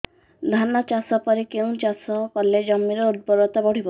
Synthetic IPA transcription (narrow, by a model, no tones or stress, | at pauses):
d̪ʱanɔt͡ʃasɔpɔɾekeũt͡ʃasɔkɔled͡ʒɔmːiɾɔud̪̚bɔɾɔt̪abɔɽ̤ibɔ